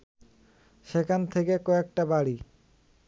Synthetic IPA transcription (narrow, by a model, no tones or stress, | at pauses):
ʃekʰant̪ʰekekɔek̚ʈabaɽi